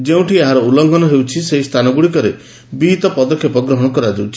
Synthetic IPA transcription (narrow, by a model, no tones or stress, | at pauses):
d͡ʒeũʈieɦaɾɔulɔŋɡɔnɔɦewt͡ʃʰiseɦist̪ʰanɔɡuɽikɔɾe | bit̪ɔpɔd̪ɔkʰjepɔɡɾɔɦɔɽ̃ɔkɔɾad͡ʒewt͡ʃʰi̥